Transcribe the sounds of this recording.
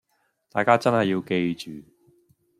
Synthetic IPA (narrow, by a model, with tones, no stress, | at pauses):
t̪aː˨jkaː˥t͡sɐ˥nhɐ˨jːiː˧wke˧jt͡ʃyː˨